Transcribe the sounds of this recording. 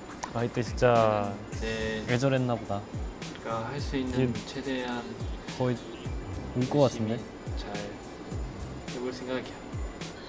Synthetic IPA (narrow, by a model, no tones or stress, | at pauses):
ait͈et͡ɕint͡ɕ͈aneed͡ʑʌɾɦenːabodaɯikahaɭs͈uinːɯt͡ɕʰede̞ɦankʌi | ɯɭk͈ʌkwas͈ʰɯnde̞ | t͡ɕʰaɭ | eboɭsʰeŋɡaɡʰio